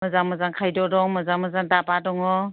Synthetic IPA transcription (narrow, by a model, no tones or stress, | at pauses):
məzamɔzaŋkʰajdɔdɔŋmɐzamɔzaŋdabadɔŋɔ